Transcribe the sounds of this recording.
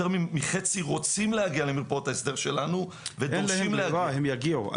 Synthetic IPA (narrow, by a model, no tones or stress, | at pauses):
eʁmimiχet͡siʁo̞t͡simlehaɡiale̞miʁpaotaesd̪e̞ʁʃe̞lanu | vedolimlehaɡhemjaɡiua̰